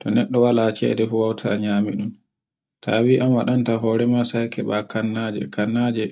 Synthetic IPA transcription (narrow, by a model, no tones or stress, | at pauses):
tɔnɛɗːɔwalaːt͡ʃɛ̰dɛfuwawtʰa̰ɲaːmiɗum | tʰaːwiːʔamwaɗantaɦɔːɾɛmasajkʰɛɓakanːad͡ʒɛ̰kanːaːd͡ʒɛ